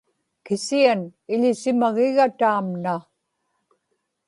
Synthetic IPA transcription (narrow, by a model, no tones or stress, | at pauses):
kɪsianɪʎɪsɪmaɣɪɣat̪aːmna